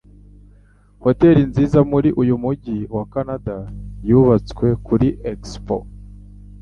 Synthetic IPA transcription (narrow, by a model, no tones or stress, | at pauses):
ho̞te̞ɾinziːzamuɾiʔujumuɟiwakanadajuβat͡skwe̞kuɾiʔekspo̰